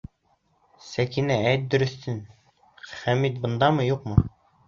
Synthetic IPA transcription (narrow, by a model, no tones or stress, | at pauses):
sækinææjt̪̚d̪ɵ̆ɾɵ̆θːɘn | χæmit̪̚bɤ̆nd̪ɑmɤjuqmɤ